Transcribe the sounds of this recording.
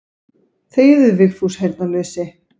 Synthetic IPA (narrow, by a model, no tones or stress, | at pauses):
θeːjðʏðvɪxθushejɾt̪̚nalœːsɪ